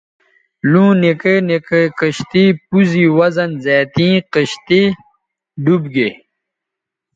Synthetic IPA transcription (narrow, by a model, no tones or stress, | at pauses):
lũːnekənekəkəɕt̪ipuziwɐzɐnzaːt̪ĩːqəɕt̪i | ɖubɡe